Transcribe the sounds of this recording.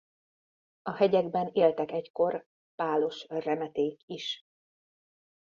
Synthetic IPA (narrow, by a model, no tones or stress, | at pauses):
ɒhɛɟɛɡbɛneːlt̪ɛkɛcko̞r | paːlo̞ʃrɛmɛt̪eːkiʃ